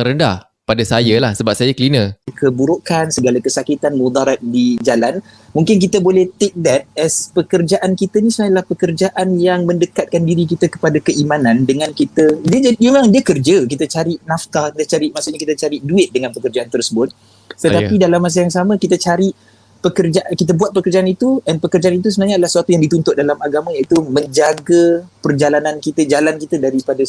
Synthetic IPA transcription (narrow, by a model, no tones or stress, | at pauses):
ŋɾənda̰h | padasajalahsəbap̚sajakəlinə̃kʰəbuɾokansəɡalakəsakit̪anmud̪aɾat̪̚did͡ʒalan | mũŋkɪnk̬it̪əbolɛht̪ek̚dɛt̪̚ɛspəkərd͡ʒaʔankit̪ənĩsumajalahpəkərd͡ʒaʔanjaŋmə̃ndəkat̪̚kandiɾik̬it̪akəpadakəimanãndəŋankit̪ədiəamemaŋdiəkərd͡ʒək̬it̪ət͡ʃaɾiʔnaft̪akit̪ət͡ʃaɾiʔmasuʔɲakit̪at͡ʃaɾiʔduɪt̪̚dəŋanpəkərd͡ʒaʔant̪ərsəbʊt̪̚ | t̪ət̪apidalamːas̬ajaŋsamə̃kit̪ət͡ʃaɾiʔ | pəkərd͡ʒaʔakit̪̬əbuat̪̚pəkərd͡ʒaʔanit̪uanpəkərd͡ʒaanit̪usənahɲadəlahsəat̪ujaŋdit̪unt̪ʊʔ̚dalamaɡamãjait̪umə̃ɲd͡ʒaɡəpərd͡ʒalanãnkit̪əd͡ʒalankit̪ədaɾipada